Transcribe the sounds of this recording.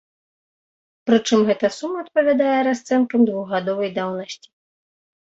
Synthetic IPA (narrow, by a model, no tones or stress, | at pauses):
pɾɨt͡ʂɨmɣɛt̪ɐsumːɐːt̪̚pɐvʲad̪ajɛɾast̪sɛnkɐmd̪vuɣɣad̪ɔvɐjd̪awnɐsʲt͡sʲi̥